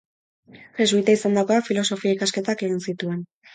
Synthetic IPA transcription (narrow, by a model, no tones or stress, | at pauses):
xezβujt̪aisand̪akoafilo̞so̞fiaikaske̞t̪ake̞ɣinsit̪ue̞n